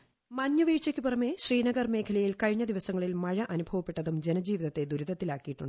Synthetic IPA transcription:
mɐɲːuʋiːt͡ɕːɐkʲːuporɐmeɕriːnɐɡɐrme̞ːkʰɐlɐjilkɐɻiɲːɐd̪iʋɐsɐŋːɐɭilmɐɻɐʔɐnubʱɐʋɐpːe̞ʈːɐðumd͡ʑe̞nɐd͡ʑiːʋiðɐt̪ːed̪uɾud̪ɐt̪ːilaːkːijiʈːuɳɖɨ

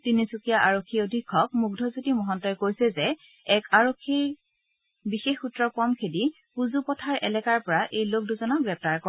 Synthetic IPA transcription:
tinisukijaʔaɹokʰːiodʱikʰːɔk̚muɡ̚dʱɔzutimɔɦɔntɔjkojsɛzɛ | ɛkaɹokʰːiɹ | bixexutːɹɔpɔmkʰedi | puzupɔtʰaɹʔɛ̰lɛkaɹpɔɹaʔejlok̚duzɔnɔɡɹɛp̚taɹkɔ

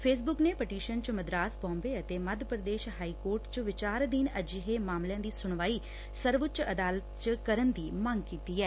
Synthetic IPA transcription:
pʰeːs̬bʊkneːpəʈiːʃənt͡ʃməd̪ɾaːsbɔ̃ːmbeːət̪eːməd̪ʱpəɾəd̪eːʃɦaːiːkoːɾʈt͡ʃʋɪt͡ʃaːɾd̪ɪnəd͡ʒɦeːmaːmljãːd̪iːsʊɳ̃ʋaːiː | səɾʋət͡ʃəd̪aːlət̪t͡ʃkəɾənd̪iːməŋɡkiːt̪iːɛː

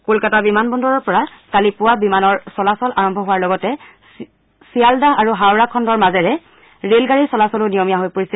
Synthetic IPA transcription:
kolkatabimanbɔndɔɹɔɹpɔɹatalipʊwabimanɔɹsɔlasɔlaɹɔmbʱɔɦʊwaɹlɔɡɔtɛ | sialdaaɹuɦawɹakʰɔndɔɹmazɛɹɛ | ɹelɡaɹisɔlasɔlʊnijɔmijaɦojpoɹisɛl

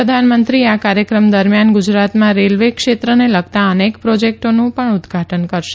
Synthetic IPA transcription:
ɾəd̪ʱanmənt̪ɾiakaɾjəkɾəmd̪əɾmjanɡud͡ʒɾat̪mãɾelʋekʃet̪ɾəneləɡ̚t̪aənekpɾod͡ʒek̚ʈonũpəɳʊd̪ɡʱaʈʰənkəɾʃe̥

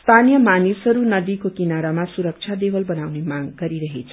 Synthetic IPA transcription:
st̪ʰanijʌmanisɦʌɾunʌd̪ikokinaɾamasuɾʌk̚t͡sʰad̪ebʌlbʌnawnemaɡɡʌɾiɾʌɦet͡sʰʌ̥

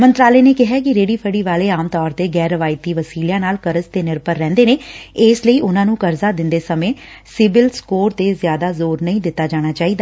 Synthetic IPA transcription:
mə̃nt̪ɾaːleːneːkɪɦaːk̬ɪɾeːɽiːpʰəɽiːʋaːleːaːmt̪ɔːɾt̪eːɡɛːɾəʋaːɪt̪iːʋəsiːljãːnaːlkəɾəst̪eːnɪɾpəɾːɛ̃ːnd̪eːneːeːsləiːʔʊnãːnũːkəɾzaːd̪ɪnd̪eːsəmẽː | sɪbɪlskoːɾt̪eːzɪjaːd̪aːzoːɾnəĩːd̪ɪt̪ːaːd͡ʒaːɽ̃aːt͡ʃaːiːd̪aː

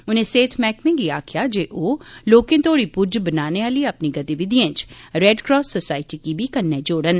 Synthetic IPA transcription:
ʊnẽːseːt̪ʰmɛːkmẽːɡiːaːkʰɪjaːd͡ʒeːʔoːloːkẽːt̪oːɽiːpʊɾd͡ʒbənaːneːaːləiːəpniːɡət̪iʋɪd̪iə̃t͡ʃɾɛːɖkɾɔːsːosaːɪʈiːkiːbʱiːkənːẽːd͡ʒoːɽən

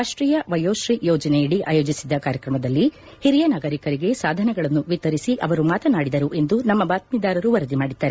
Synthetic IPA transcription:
ɾaːʂʈɾiːjɐʋɐjoːʃɾijɔːd͡ʒɐneiɽiʔa̰ːjoːd͡ʒisid̪ːɐkaːɾjɐkɾɐmɐd̪ɐlːi | hiɾijɐnaːɡɐɾikɐɾiɡe̞saːd̪ʱɐnɛɡɐɭɐnːuʋit̪ɐɾisiʔɐʋɐɾumaːt̪ɐnaːɽid̪ɐɾuʔe̞nd̪unɐmːɐbaːt̪̚mid̪aːɾɐɾuʋɐɾɐd̪imaːɽid̪ːaːɾe

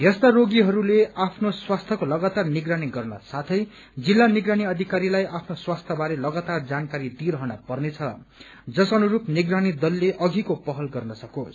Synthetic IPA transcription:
jest̪aroɡiɦʌɾuleapʰnoswast̪ʰʌkolʌɡat̪arniɡraniɡʌrnʌ̰sat̪ʰʌj | d͡zilːaniɡɾaniʌd̪ʱikaɾilajʔapʰnoswast̪ʰʌbaɾelʌɡat̪ard͡zankaɾid̪iɾʌɦʌnʌpʌrnet͡sʰʌ | d͡zʌsʌnuɾupniɡɾanid̪ʌlːeʔʌɡikopʌɦʌlɡʌrnʌsʌkot͡sʰ

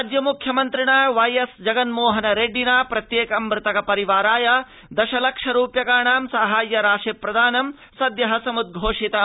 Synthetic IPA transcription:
d͡ʒjɐmukʰjɐmɐnt̪ɾiɳaːʋɐjesd͡ʒɐɡɐnmoːɦɐnɐɾeɖinaːpɾɐt̪jeːkɐmːɾɪt̪ɐkɐpɐɾiʋaːɾaːjɐ | d̪ɐʃɐlɐkʂɐɾuːpjɐkaːɳaːmsɐɦaːjːɐɾaːʂepɾɐd̪ʱaːnɐm | sɐd̪jɐɦɐsɐmud̪̚ɡʱoːʂit̪ɐ

